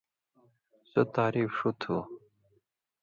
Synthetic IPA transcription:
sot̪aːɾifʂut̪ʰu

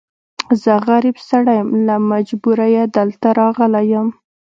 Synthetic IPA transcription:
zəɣaɾibsaɽajəmlamad͡ʒbuɾajed̪əlt̪aɾɑɣəlajəm

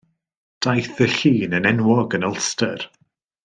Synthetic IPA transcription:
d̥ajθəɬiːnənɛnwɔɡənəlˠstər

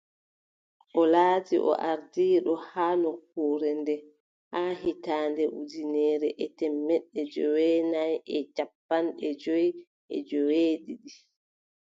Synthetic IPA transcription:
ʔɔlaːtḭʔɔ̰ʔaɾdiːɗɔhaːnɔk̚uːɾɛndɛ | hahitaːndɛʔudinɛːɾɛʔɛtɛmːɛɗːɛd͡ʒɔwɛnajɛd͡ʒapːanɗɛd͡ʒɔj | ʔɛ̰d͡ʒɔweːɗiɗi

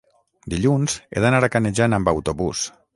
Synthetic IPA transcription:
d̪iʎunzḛðənaɾakaneʒanəmbawt̪oβus

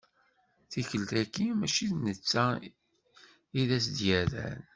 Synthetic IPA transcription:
θiçəlt̪ækːimæt͡ʃiθnət͡sːæ | iðæs̬d̪jæðæ̰n

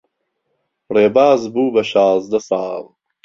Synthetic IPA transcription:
reːbaːzbuːbɐʃɑːzd̪ɐsɑːl

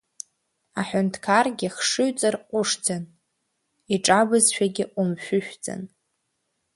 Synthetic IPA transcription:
aħʷᶣʊntʰkʰarɡʲɪχʂɨɥt͡sʼarqʷʼʊʂd͡zan | iʈ͡ʂʼabɨzʃᶣaɡʲɪʔʊmʃʷᶣʊʃᶣd͡zʼa̰n

